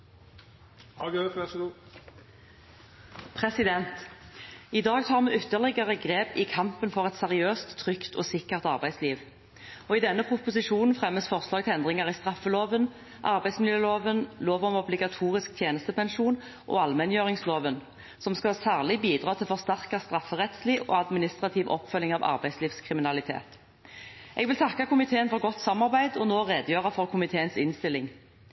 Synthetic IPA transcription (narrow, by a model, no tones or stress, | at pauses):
hɑɡɛ | pʰʁɛsɪd̪ɛnt̪ | ɪd̪ɑːɡt̪ʰɑːʁmɛːʏt̪ːəʁlɛɡəʁəɡʁeːpɪkʰɑmpənfɔʁɛt̪sɛʁɪøːst̪ʰːʁʏkt̪ʰɔ̰ːsɪkːəʁt̪ɑ̰ʁbæɪsliːʋ | ɔɪd̪ɛnːəpʰʁʊpʊsɪʃuːnn̩fʁɛmːəsfɔʁslɑːɡ̚t̪ʰɛɛnd̪ʁɪŋəʁɪst̪ʁɑfːəloːʋən | ʔɑʁbæɪsmɪljøːloːʋənloːʋɔmɔblɪɡɑt̪ʰuːʁɪsk̚t̪ʰjeːnəst̪əpʰɛnʃuːn | ʔɔ̰ɑlmɛnjøːʁɪŋsloːʋən | sɔmskɑsæːʁlɪbiːd̪ʁɑːt̪ʰɪlfɔʁst̪æʁkɑst̪ʁɑfːəʁɛt̪sliːo̰ːɑd̪mɪnɪst̪ʁɑt̪ʰiːʋʔɔ̰pːfœlːɪŋɑʋɑ̰ʁbæɪsliːʋskʰʁɪmɪnɑlɪt̪ʰḛːt̪ | ʔɛɡʋɪlt̪ʰɑkːɑkʰʊmɪt̪ʰeːənfɔʁɡɔt̪sɑmːɑʁbæɪd̪ɔnoːʁeːd̪jøːʁəfɔʁkʰʊmɪt̪ʰeːənsɪnst̪ɪlːɪŋ